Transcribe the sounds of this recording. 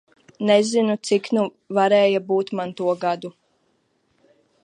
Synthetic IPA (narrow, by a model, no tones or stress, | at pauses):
nɛzinut̪siknu | vaɾɛːjabuːt̪mant̪uɔɡad̪u